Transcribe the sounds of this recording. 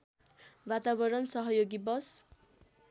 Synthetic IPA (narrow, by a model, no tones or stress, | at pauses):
bat̪abʌɾʌnsʌɦʌjoɡibʌs